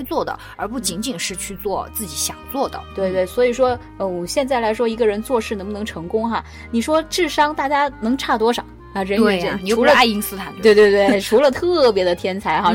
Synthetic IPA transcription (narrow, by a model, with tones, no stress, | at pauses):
t͡swɔ˥˩d̪ə̰˩ | ə̰˧˥pu˥˩t͡ɕi˧˥ŋt͡ɕi˨˩ŋʂɻ̩˥˧t͡ɕʰy˥˧t͡swɔ˥˧t͡sɹ̩˥˩t͡ɕi˧˥ɕjɑ˨˩ŋt͡swɔ˥˩d̪ə̰˩t̪we˥˧ɪt̪we˥˩ɪswɔ˧˥i˨˩ʂwɔ˥ | ə˧wɔ˨˩ɕjɛ˥˧nt͡sa˥˩ɪla˧˥ɪʂwɔ˥i˧˥ɡə˧ɻə˧˥nt͡swɔ˥˧ʂɻ̩˥˩˧ŋbʊ˧nɤ˧˥ŋʈ͡ʂʰɤ˧˥ŋkʊ˥ŋxa˧ | ni˨˩ʂwɔ˥ʈ͡ʂɻ̩˥˩ʂɑ˥ŋt̪a˥˩t͡ɕja˥nɤ˧˥ŋʈ͡ʂʰa˥˩t̪wɔ˥ʂɑ˨˩˦ | a˥˩ʈ͡ʂə˥˧˥t͡ɕu˧˥ə˧a˥˧i˥ŋsɹ̩˥t̪ʰa˨˩nt̪we˥˧ɪt̪we˥˧ɪt̪we˥˩ɪʈ͡ʂʰu˧˥lə˧t̪ʰɤ˥˩pjɛ˧˥d̪ə˧t̪ʰjɛ˥nt͡sʰa˧˥ɪxa˥˧˩